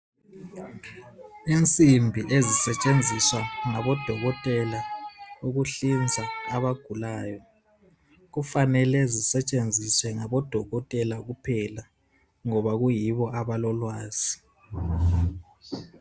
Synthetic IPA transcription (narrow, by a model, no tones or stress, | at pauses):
int͡sʼimbʱiʔezisɛt͡ʃʼend͡zʱiswaŋaβɔd̥ʱɔɣɔtʼɛlauɣuɬind͡zʱaːβaɡ̥ʱulaːjɔ | ɣufanɛlɛzisɛt͡ʃʼend͡zʱiswɛŋaβɔd̥ʱɔɣɔtʼɛlaɣupʰɛla | ŋɔβaɣujiβɔʔaβalɔlwaːz̥i